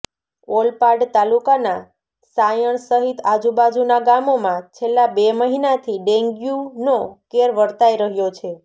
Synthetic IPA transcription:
olpaɾɖt̪alukana | sajəɳsəɦit̪ad͡ʒubad͡ʒunaɡamomãt͡ʃʰelːabeməɦinat̪ʰiɖẽŋɡjunokeɾʋəɾt̪ajɾəɦjot͡ʃʰe

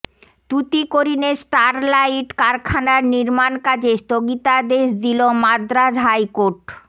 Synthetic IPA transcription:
t̪ut̪ikoɾinesʈaɾlajʈkaɾkʰanaɾniɾmankad͡ʑest̪oɡit̪ad̪eʃd̪ilomad̪ɾad͡ʑɦajkoɾʈ

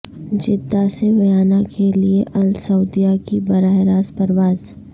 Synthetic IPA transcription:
d͡ʒɪd̪ːasebɐjaːnakʰelieʔɐlsɐʊd̪ijakibɐɾaːeɾaːspɐɾʋaːz

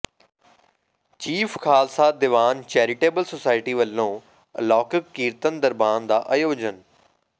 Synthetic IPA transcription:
t͡ʃiːfkaːlsaːd̪ɪʋaːnt͡ʃɛːɾɪʈeːbəlsosaːɪʈiːʋəlːõː | lɔːkəkːiːɾt̪ənd̪əɾbaːnd̪aːʔɐjoːd͡ʒən

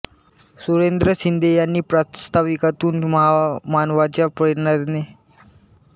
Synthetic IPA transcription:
suɾend̪ɾəsind̪ʱejanːiːpɾatst̪ʰaʋikat̪uːnməɦamanʋat͡ɕapəɾnaɾne

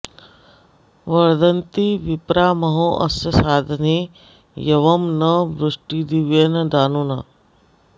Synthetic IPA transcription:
ʋɐɾd̪ɐnt̪iʋɪpɾaːmɐɦõʔɐsjɐsaːd̪ʱɐneː | jɐʋɐmnɐʋɾʊʂʈid̪iʋeːnɐd̪aːnuːna̰ː

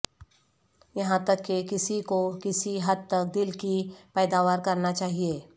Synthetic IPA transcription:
jɐɦãt̪ɐkːekɪsikokɪsiɦɐd̪̚t̪ɐk̚d̪ɪlkipɛːd̪aːʋaːɾkɐɾnat͡ʃaːɦieː

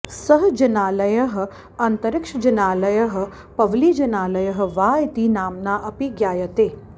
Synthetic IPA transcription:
sɐɦɐd͡ʒɐnaːlɐjɐɦɐ̆ | ɐnt̪ɐɾɪkʂɐd͡ʒɐnaːlɐjɐɦɐ̆ | pɐʋliːd͡ʒɐnaːlɐjɐɦɐ̆ʋaːjt̪inaːmnaːʔɐpiɡjaːjɐt̪eː

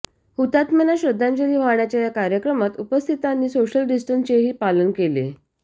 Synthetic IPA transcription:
hut̪at̪mənaɕɾəd̪ʱːãɲt͡ɕeɾiʋ̤aɳjat͡ɕjajakaɾjəkɾəmat̪upəst̪ʰit̪anːiːsoɕəlɖisʈənst͡ɕeɦiːpalənkele

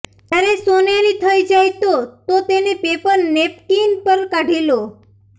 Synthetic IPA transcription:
t̪jaɾesonjanit̪ʰəid͡ʒajt̪ot̪ot̪enepepəɾnep̚kinpəɾkaɖʱilo

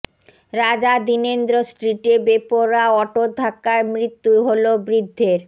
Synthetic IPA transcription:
ɾad͡ʑad̪inend̪ɾosʈɾiʈebepoɾaɔʈod̪ʱakːaɾmɾit̪ːuɦolobɾid̪ʱːeɾ

